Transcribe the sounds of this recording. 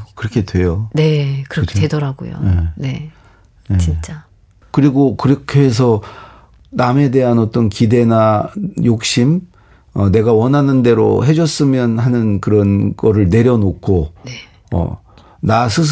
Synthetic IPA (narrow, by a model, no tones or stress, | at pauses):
kɯɾʌkʰe̞dwe̞jone̞kɯɾʌkeedʌɾaɡo̰jo̰ene̞ | net͡ɕint͡ɕ͈a | kɯɾiɡokɯɾʌkʰeɦes̬ʰʌ | name̞de̞ɦanʌt͈ʌnkide̞najok̚ɕ͈im | ʌne̞ɡawʌnɦanɯnde̞ɾo̰ɦe̞d͡ʑʌs͈ɯmjʌnhanɯnkɯɾʌnɡʌɾɯɭne̞ɾjʌnokʰoe | ʌ̰ | nasʰɯs̬ʰ